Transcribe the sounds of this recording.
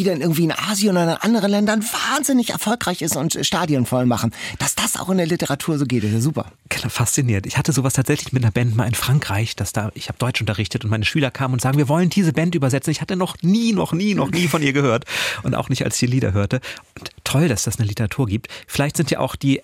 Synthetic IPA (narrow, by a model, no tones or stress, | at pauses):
v̥iːdanʔɪɐɡŋ̩tv̥iːɪnʔaːzjʊnnʔandəʁ̞ənlɛndɐnvaːnzɪnɪçɛ̰ɐfɔlkʁ̥aɪçɪstʊntʃtaːdjɔnfɔlmaχn̩d̥asd̥asʔa̰ʊxɪndeɐlɪtəʁatʰuːɐzoːɡeːtɪsjazuːpɐ̰ | ɡ̥ənafast͡siniːɐntɪçhatəzoːvastʰaːtz̥ɛçlɪçmɪt̚nɐbɛnt̚maːlɪnfʁ̥aŋkʁ̥aɪçd̥asd̥aːʔɪçhaːbəd̥ɔʏt͡ʃʔʊntɐʁɪçtətʊntmaɪnəʃyːlɐkʰaːmənʊntz̥aːɡŋ̩viːɐvɔləndiːzəbɛntʔyːbɐzɛt͡sn̩ɪçhatənɔχniːnɔχniːnɔχniːfɔnʔiːɐɡəhøːɐtʔʊnta̰ʊxnɪçta̰lsç̥diːliːdɐ̰ɦøːɐtəʔʊntʰːɔldasd̥asnəlɪtəʁatʰuːɐɡiːp̚tfɪlaɪçtz̥ɪntja̰ːʔa̰ʊxd̥iː